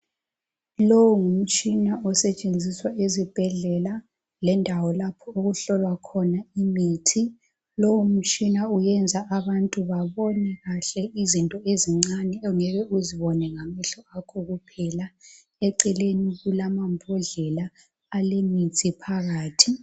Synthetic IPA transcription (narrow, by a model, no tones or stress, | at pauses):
lowuŋum̩t͡ʃʼinaɔsɛt͡ʃʼend͡zʱiswaʔezib̥ʱɛɮɛla | lɛndʱawɔlapʰɔoɣuɬɔlwakʰɔnaimitʰi | lowum̩t͡ʃʼinaujɛnd͡zʱaʔaβantʼuβaβɔnɛɣaɬɛizintʼɔeziŋ͡ǀanɛŋɛβɛuziβɔnɛŋamɛɬɔakʰɔɣupʰɛla | ɛǀɛleniɣulamambʱɔɮɛlaː | lemitʰʼipʰaɣaːtʰi